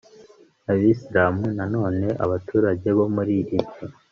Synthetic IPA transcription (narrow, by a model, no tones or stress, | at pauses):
aβisiɾaːmunano̞ːne̞ʔa̰βatʰuːɾaɟe̞βo̞muɾiɾibjo